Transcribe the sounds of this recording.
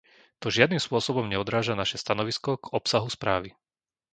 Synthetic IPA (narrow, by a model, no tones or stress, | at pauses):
t̪ɔʒɪad̪nimspʊɔsɔbɔmɲɛɔd̪ɾaːʒanaʃɛst̪anɔʋiskɔɡɔpsaɦuspɾaːʋi